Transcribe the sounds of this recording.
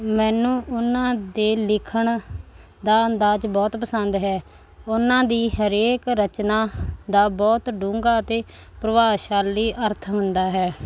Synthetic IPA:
mɛːnũːʔʊnãːd̪eːlɪkʰəɳ | d̪aːənd̪aːd͡ʒbɔːt̪pəsənd̪ɦɛː | ʊnãːd̪iːɦəɾeːkɾət͡ʃnaːd̪aːbɔːt̪ɖũːŋɡaːət̪eː | pɾəʋaːʃaːliːʔəɾt̪ʰɦʊnd̪aːɦɛː

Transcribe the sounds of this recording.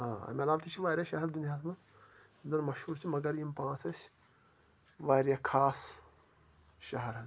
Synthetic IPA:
ɦãːɐ̰mʲelaːʋt̪ʰit͡ʃʰiʋaːɾʲjaʃɐɦɐɾd̪unjaːt̪mã | nd̪ɐnmɐʃhuːɾt͡ʃʰimɐɡɐɾimpãːt͡sɐsʲ | ʋaːɾjakʰaːs | ʃɐɦɐɾɐ

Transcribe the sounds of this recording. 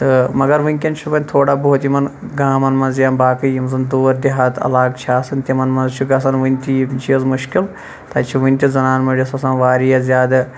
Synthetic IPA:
t̪ɨmɐɡɐɾʋɨnʲkʲɐnt͡ʃʰubɐnʲt̪ʰoːɽaboɦut̪ʲimɐnɡaːmɐnmɐnzjaːmbaːkɨjimzɨnd̪oːɾd̪iɦaːt̪ʰɐ̰laːɡt͡ʃʰaːsɨnʲt̪ʲimɐnmɐnzt͡ʃʰuɡɐs̬ɐnʋɨnʲt̪it͡ʃʰiɐzmuʃkil | t̪ɐt͡ʃʰuʋɨnʲt̪ʲizɐnaːnmɐɖʲisɐsɐːnʋaːɾijɐzʲjaːd̪ɨ

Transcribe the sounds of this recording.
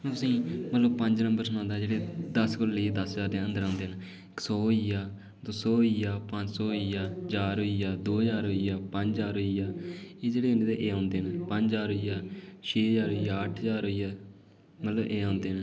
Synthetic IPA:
t̪ʊsĩːmət̪ləb̚pə̃ɲd͡ʒnəmbəɾsənãːnd̪aːd͡ʒeːɽeːd̪əskolleeːd̪əsd͡ʒaːɾd̪ẽːə̃nd̪əɾãːnd̪eːnː | sɔːɦijaː | d̪osɔːijaːpə̃ɲd͡ʒsɔːɪjaːd͡ʒaːɾoijaːd̪oːd͡ʒaːɾɦoijaːpə̃ɲd͡ʒd͡ʒaːɾɦoiːaːeːd͡ʒeːɽeːənːd̪eːʔeːãːnd̪eːnːpə̃ɲd͡ʒd͡ʒaːɾɦojaːʃʰeːəd͡ʒaːɾɦojaːəʈʰəd͡ʒaːɾɦoijaː | mət̪ləbʔeːãːnd̪eːnː

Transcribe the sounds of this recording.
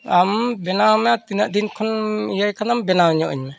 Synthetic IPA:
ambɛnawmɛat̪inaʔd̪inkʰɔnijajkʰanambɛnawɲɔʔḭɲmɛ

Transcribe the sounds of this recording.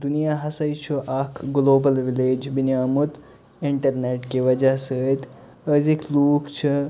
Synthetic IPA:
d̪unijaːɦɐsɐjt͡ʃʰuʔaːkʰɡloːbɐlʋileːd͡ʒbinjaːmut̪ | iɳʈɐɾneːʈkiʋɐd͡ʒasəːt̪ | əzikʰluːkʰt͡ʃʰɐ

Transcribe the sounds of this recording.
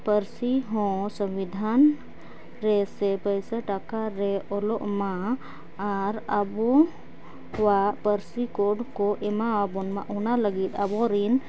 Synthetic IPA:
pəɾsiɦɔ̃səmwid̪ʱan | ɾɛsɛpəjsəʈakaɾɛɔlɔʔmaː | ɾəbɔ | wapəɾsikoɖkɔʔɛmaabɔnmã̰ʔunaləɡit̪abɔɾin

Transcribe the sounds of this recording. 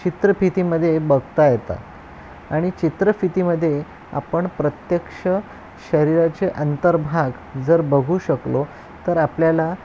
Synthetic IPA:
t͡ɕit̪ɾəfit̪iməd̪ʱːjebəɡʱt̪ajet̪a̰ | aɽ̃it͡ɕit̪ɾəfit̪iməd̪ʱːje | a̰pəɳpɾət̪jəkʂə | ɕəɾiɾat͡ɕeʔənt̪əɾbʱaɡ | d͡zəɾbəɡʱuːɕəklo | t̪əɾapljala

